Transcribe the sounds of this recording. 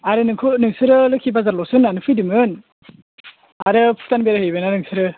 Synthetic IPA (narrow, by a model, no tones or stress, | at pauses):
aɾɯnɯŋkʰunɯŋsɯɾɯlɯkʰibazaɾlɔsɯnːanɯpʰɯjdɯmɯn | aɾɯpʰutanbeɾahɯjbɯnanɯŋsɯɾɯ